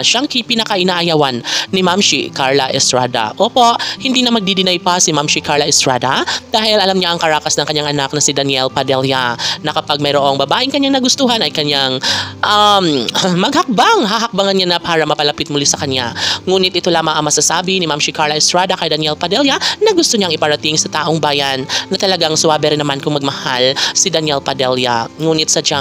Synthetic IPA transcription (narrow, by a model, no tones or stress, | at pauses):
ʃaŋkɐjpɪnɐkɐʔɪnaːʔɐjawanːɪmamʃḭkaɹlɐʔɛst̪ɹaːd̪ɐ̰ʔoːpo̞ʔhɪnd̪iːnɐmɐɡ̚d̪id̪ɪnajpasɪmamʃikaɹlɐʔɛst̪ɹad̪ad̪̥aːhɪlʔɐlamɲaʔɐŋkɐɾaːkɐsnɐŋkɐɲaŋʔɐnak̚nɐsɪd̪ɐnjɛlpɐd̪ɛljanɐkɐpaɡ̚mɐjɾoʔo̞ŋbɐbaːʔɪŋkɐɲaŋnɐɡʊst̪uːɦanɐjkɐɲaŋʔammɐɡhɐk̚baŋɦaɦɐk̚baŋanɲanɐpaːɾɐmɐpɐlɐpɪt̪mʊlisɐkɐna̰ŋuːnɪt̪ʔɪt̪o̞laːmɐŋʔɐŋmɐsasaːbɪnɪmamʃikaɹlɐɪst̪ɹad̪ɐkɐjd̪ɐnjɛlpɐd̪ɛljɐnɐɡʊst̪oɲaŋʔɪpɐɾɐt̪iŋsɐt̪aːʔoŋbaːjɐnːɐt̪ɐlɐɡaŋsʊaːbɛɾɪnːɐmankʊŋmɐɡ̚mɐhalsɪd̪ɐnjɛlpɐd̪ɛljɐ̰ŋuːnɪt̪̚sɐd͡ʒa